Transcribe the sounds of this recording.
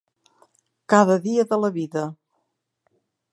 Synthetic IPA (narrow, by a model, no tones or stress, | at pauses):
kaðəðiəðələβiðə